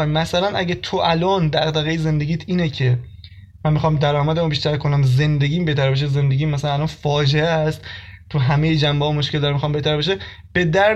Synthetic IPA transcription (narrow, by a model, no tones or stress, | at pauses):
mæsælænʔæ̰ɟæt̪ʰoʔælɒːnd̪æɣd̪æɣejeze̞nd̪e̞ɡʲiːt̪ʰiːnecʰe̞ | mænmːixɒːmd̪æɾɒːmæd̪æmubiʃt̪æɾkʰo̞næmze̞nd̪eɡʲiːmbe̞ht̪ʰæɾbeʃ̬eze̞nd̪e̞ɡʲiːmːæs̬ælænælɒːnfɒːd͡ʒeest̪t̪ʰuɦæmejed͡ʒæmbeɒːmoʃkld̪ɾæmixɒːmbeht̪ʰæɾbeʃ̬e | b̥e̞d̪æɾ